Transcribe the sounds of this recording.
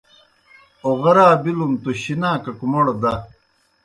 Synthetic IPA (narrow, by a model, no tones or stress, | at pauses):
oʁɐɾaːbilumt̪oɕinaːkɐkumoɽod̪ɐ